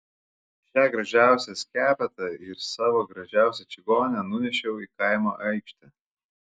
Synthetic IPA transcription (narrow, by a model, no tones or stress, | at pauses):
ʃʲæːɡɾɐʒʲæˑʊsʲɛsʲkʲæːpʲɛt̪ɐɪɾsɑːʋoːɡɾɐʒʲæˑʊsʲɛt͡ʃʲɪɡoːnʲɛnʊnʲɛʃʲɛʊiːˑkɐɪmoːʔɐɪkʃʲt̪ʲɛ